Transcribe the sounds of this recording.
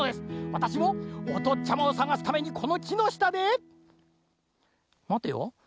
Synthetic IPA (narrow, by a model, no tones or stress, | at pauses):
od̪e̞sɨ̥βat̪aɕimo̞ːt̪o̞t͡ɕamaosaɡasɨ̥t̪ame̞ɲ̟ikʰo̞no̞kʲino̞ɕi̥t̪ad̪e | mat̪ːejo̰